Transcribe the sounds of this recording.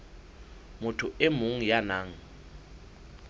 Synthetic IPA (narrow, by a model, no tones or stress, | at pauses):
mʊtʰʊɪmʊŋ̩janaːŋ̩